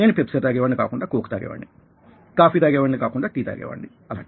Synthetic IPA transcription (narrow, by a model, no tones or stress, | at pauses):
neːnipepset̪d̪aːɡeːʋɐɳɖika̰ːkuɳɖaːkoːkt̪aːɡḛːʋɐ̰ɳɖi | kaːfiːd̪aːɡeːʋɐɳɖikaːkuɳɖaːʈiːd̪a̰ːɡḛːʋɐ̰ɳɖi | ɐla̰ːɳʈi